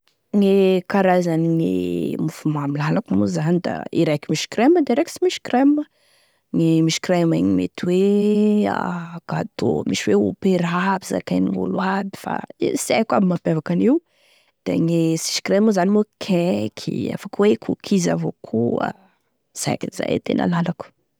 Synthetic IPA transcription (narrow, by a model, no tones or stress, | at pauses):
ŋekaɾazaniŋḛmufumamilanakamuzanid̪a̰ḭɾajkimiʃi̥kɾeməd̪eɾeki̥simiʃkremə | ŋemiʃkremaɲimḛt̪we | a̰ɡ̥ad̪̥o̰miʃiweo̰peɾabiza̰kajnivṵluwad̪i̥fa̰esiajkabimapevakaniw | d̪̥ḛŋesi̥skremuzanimukʰekʰḭa̰fakwekʰukʰizavokʰua̰ | z̥a̰jkiza̰t̪ḛnʔə̰lalaku̥